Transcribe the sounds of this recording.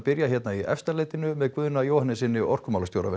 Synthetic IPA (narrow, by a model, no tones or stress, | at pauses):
pɪɾjaçjɛt̪naiʔɛ̰fst̪aɾlejt̪ɪnʏmɛðkvʏðnajowhanːɪsɪnːɪʔɔr̥kʏmaːlast̪joːwɾa̰vɛ